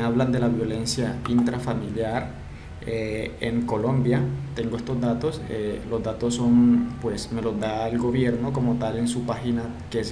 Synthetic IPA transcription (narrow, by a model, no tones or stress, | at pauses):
aβland̪elaβjo̞le̞nsjaint̪ɾafamiljaɾ | eḛŋko̞lo̞mbjat̪e̞ŋɡo̞e̞st̪o̞zd̪at̪o̞selo̞zd̪at̪o̞sːo̞npwe̞sme̞lo̞zd̪aelɡo̞βje̞ɾno̞ko̞mo̞t̪ale̞nsupaxina | kes